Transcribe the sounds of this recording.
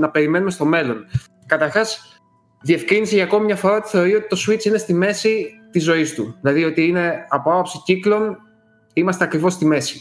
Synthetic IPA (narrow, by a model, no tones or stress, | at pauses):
nɐpe̞ɾime̞nume̞st̪o̞me̞lo̞n | kɐt̪ɐɾxɐs | ðie̞fkɾiniseʝɐːk̞mimɲɐfo̞ɾɐot̪i̥θe̞o̞ɾio̞t̪it̪o̞suit͡sine̞st̪ime̞sit̪izo̞ist̪uðilɐðio̞t̪iine̞ɐpoɐpopsiciklo̞n | imɐst̪eɐkɾivo̞st̪ime̞si̥